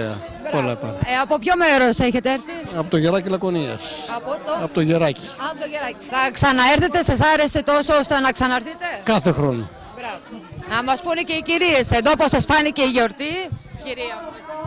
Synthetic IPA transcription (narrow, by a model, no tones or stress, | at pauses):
ḛɐ̰ | olɐpɐ̰eɐpo̞pço̞me̞ɾo̞seçe̞t̪eeɾθiɐpot̪oʝeɾɐcilɐkoniɐ̰sɐpot̪ɐpot̪oʝeɾɐci̥ɐooʝeɾɐiθɐksɐnɐeɾθe̞t̪e̞sɐsɐɾe̞se̞t̪o̞soost̪enɐksɐnɐeɾθit̪e̞kɐθe̞xɾo̞no | bɾɐvnɐmɐspunece̞iciɾiesend̪oposɐsfɐnice̞iʝoɾt̪iciɾiɐs